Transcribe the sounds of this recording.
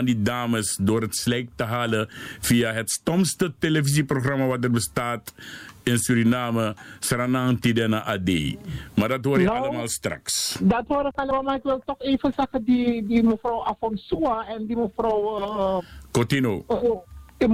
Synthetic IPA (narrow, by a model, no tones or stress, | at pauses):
andidaːməsdoːɾətslɛjk̚təɦaːləfiːaɦɛtstɔmstətelefis̬iproxramɐʋat̚dərbəstaːtɪnsyɾinaməsranaŋtidənaʔadḛːmadɐtɦoːɾnaləmaːlˠstra̰ksdatɦoɾəkaləmamakʋɛltɔxeːfəsaxədidiməfrowʔafɔnsuaɛndiməfrowəəkotino